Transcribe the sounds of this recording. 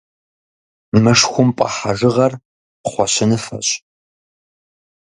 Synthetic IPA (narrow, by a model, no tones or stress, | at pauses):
mɨʂxʷʊmpʼɐħaʒɨʁɐr | χʷɔɕɪnɨfɐ̰ɕʼ